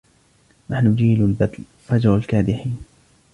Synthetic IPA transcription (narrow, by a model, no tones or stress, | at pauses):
naħnʊd͡ʒiːlʊlbad̪l | fad͡ʒɾˤalkaːd̪ɪħiːn